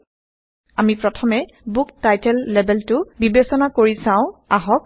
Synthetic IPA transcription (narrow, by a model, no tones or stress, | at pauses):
amipɹɔtʰɔmɛ | buktajtɛlːɛbɛltʊbibesɔnakoɹisãʊ̃aɦɔk̚